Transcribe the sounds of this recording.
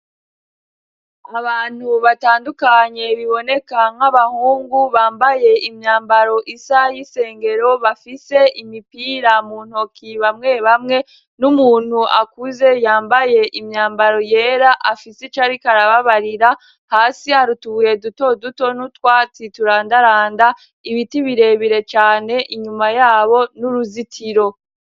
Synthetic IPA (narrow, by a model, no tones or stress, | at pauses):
aβaːn̥huβataːndukaɲe̞βiβo̞ne̞kaŋ̥aβahuːŋɡuβaːmbaje̞imɲaːmbaɾo̞ʔisajise̞ːŋɡe̞ɾo̞βafise̞ʔimipiːɾamun̥o̞kʰiβamŋe̞βamŋe̞ | numuːn̥huʔakuze̞jaːmbaje̞ʔimɲaːmbaɾo̞je̞ːɾaʔafiset͡ʃaɾikaɾaβaβaɾiɾa | haːsiaɾutuβuje̞duto̞duto̞nutwat͡situɾaːndaɾaːnda | iβitiβiɾe̞βiɾe̞t͡ʃaːne̞ʔiɲumajaːβo̞nuɾuzitʰiɾo̞